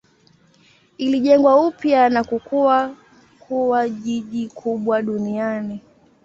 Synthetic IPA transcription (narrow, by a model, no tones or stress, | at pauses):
iliʄɛŋɡwaupjanakukuwa | kʰuwaʄiʄikʰuɓwaɗuniani